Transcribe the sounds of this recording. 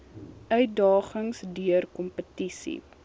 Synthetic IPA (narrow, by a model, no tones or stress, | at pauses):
ʔœɥt̚dɑːχəŋsdyərkɔmpətisḭ